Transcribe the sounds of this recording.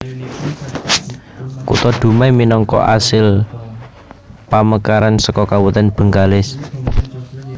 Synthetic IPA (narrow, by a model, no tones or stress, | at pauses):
kṵt̪ɔɖ̪̥ṳmajminɔŋkɔ̰ʔa̰sɪl | paməkaɾansəkɔkawət̪ɛnb̥ə̤ŋɡalɪs